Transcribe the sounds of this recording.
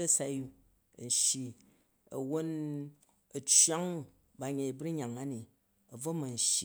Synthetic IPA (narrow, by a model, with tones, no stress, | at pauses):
ɐ˦sa˦ju˧˨ | n̩˨ʃji˨ | ɐ̰˨wo˦n | ɐ˨t͡ʃwa˦ŋ | ba˨ɲe˨i˨bɾi˦ɲa˨ŋa˦ni˨ | ɐ˨b͡vo˦mɐ˨n̩˨ʃi˨